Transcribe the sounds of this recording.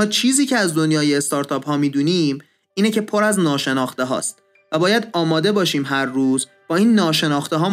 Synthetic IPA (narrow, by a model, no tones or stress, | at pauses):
ɒːt͡ʃʰiːziːcʰeæzd̪o̞njɒːjeːst̪ɒːɾt̪ʰɒːphɒːmiːd̪uːniːm | iːnece̞pʰoɾæznɒːʃe̞nɒːxt̪eɦɒ̰ːst̪ | væbɒːjæd̪ɒːmɒːd̪e̞bɒːʃiːmɦæɾːuːz | b̥ɒːiːnːɒːʃe̞nɒːxt̪eɦɒː